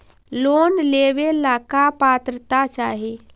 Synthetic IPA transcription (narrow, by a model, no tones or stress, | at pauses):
lonleʋelakapat̪ɾət̪at͡ʃaːɦe